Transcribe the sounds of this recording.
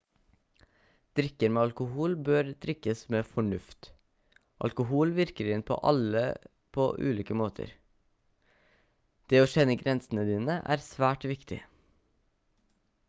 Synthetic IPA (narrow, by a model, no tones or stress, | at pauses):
d̪̥ɾɪkəɾmeːɑlkʊhuːlbøːɾd̪ɾɪkəsmeːfɔɳʉft̪ | ʔɑ̰lkʊhuːlʋɪɾkəɾɪnpʰo̰ːʔɑ̰lə | pʰo̰ːʔʉ̰ːliːkəmoːt̪ʰə̰ɾ | d̪̥eːoːʃɛnəɡɾɛnsn̩əd̪iːnəʔæ̰ːɾsʋæːʈʋɪkt̪ʰɪ̰